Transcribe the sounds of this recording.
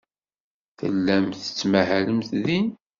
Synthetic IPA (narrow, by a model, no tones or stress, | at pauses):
θə̰lːæmθə̥t͡sːmæhæləmθðin